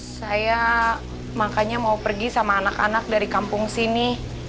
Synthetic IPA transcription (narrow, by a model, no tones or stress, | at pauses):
saja | makaɲamaupərɡisamaːnaka̰nak̚daɾikampʊŋsini